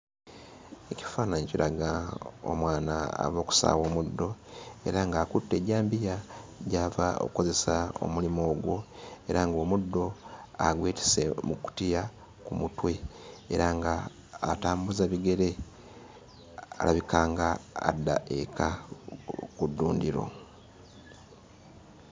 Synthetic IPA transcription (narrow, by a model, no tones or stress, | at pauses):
eci̥faːnaɲeciɾaɡao̰mwaːnaa̰βo̞ːku̥sa̰ːwo̞ːmudːo̞e̞̰ɾaŋɡaːkutːe̞ːɟaːmbijaɟaːvao̰uko̞ze̞sao̰mulimo̞ːɡwo̞e̞ɾaŋɡo̞ːmudːo̞aɡweːti̥se̞muku̥tija | kumutwe̞eɾaŋɡaː | taːmbuzaβiɡe̞ɾe̞ | a̰laβikʰaːŋɡa̰ːdːa̰ʔekʰa | kudːuːndiɾo̞̰